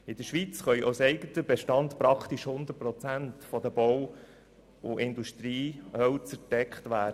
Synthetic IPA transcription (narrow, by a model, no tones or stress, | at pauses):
ɪd̥əʃʋit͡sχœʏʔo̰sɛɪɡətəbeʃtɑnd̪pɾɑkt̪iʃhʊnd̪əɾ̚pɾɔt͡sæntfɔd̪əbɔw | ʊʔɪnd̪uʃt̪ɾiːhœwt͡sədɛkχt̪ʋæːdə